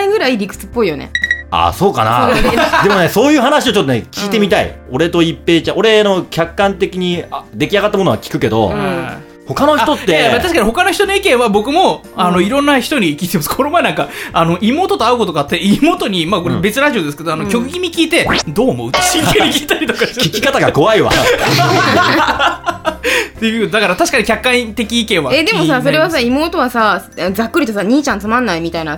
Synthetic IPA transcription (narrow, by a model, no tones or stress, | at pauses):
iɡɯ̟ɾaiɾʲikɯ̟̥t͡sɨ̥pːo̞ijo̞̰nḛa̰so̞ːka̰na̰d̪e̞moneso̞ːjɯ̟ːɦanaɕiot͡ɕo̞t̪ːonekʲiːt̪e̞mʲit̪aḭo̞ɾe̞t̪o̞ipːe̞ːt͡ɕãʔo̞ɾe̞no̞kʲakːãnt̪e̞kʲiɲ̟iad̪e̞kʲiaɡat̪ːamo̞noakʲi̥kɯ̟ke̞d̪o̞̰ | ho̞kano̞çt̪o̞t̪ːeat̪aɕi̥kaɲʲiho̞kano̞çi̥t̪ono̞ikẽ̞ɰ̃βabo̞kɯ̟mo̞ | ano̞iɾõ̞nːaçi̥t̪oɲ̟ikʲiːt̪emaskʰoo̞maenãŋkaano̞ʔimo̞ːt̪o̞t̪o̞aɯkot̪oɡat̪ːe̞imo̞ːt̪o̞ɲ̟imako̞ɾebe̞t͡sɨɾaʑio̞d̪esɨ̥ke̞d̪oanokʲo̞kɯ̟ɡʲimʲikʲiːt̪e̞d̪o̞ːmo̞̰ɯ̟̥ieikʲiːt̪aɾʲit̪o̞kaɕkikʲi̥kat̪aɡako̞βaiβa̰ | t̪e̞jɯːkot̪od̪akaɾat̪aɕi̥kaɲ̟ikʲakːãɰ̃t̪e̞kʲiːkẽ̞ɰ̃βaed̪e̞mosasoɾe̞βasaimo̞ːt̪o̞βasaad͡zakːɯ̟ɾʲit̪o̞saɲ̟iːt͡ɕãnt͡sɨmãnːaimʲit̪aina